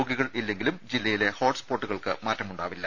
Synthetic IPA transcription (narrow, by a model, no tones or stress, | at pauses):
oːɡiɣɐɭilːe̞ŋɡilumd͡ʑilːɐjile̞hoːʈspoːrʈːuɣɐɭkɨ̰maːtrɐmuɳɖaːʋilːɐ